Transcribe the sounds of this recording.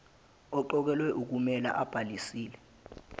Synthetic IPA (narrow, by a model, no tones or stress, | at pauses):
ɔǃɔk̬ɛlwɛʔuk̬umɛla̰ʔab̥ʱalisiːlɛ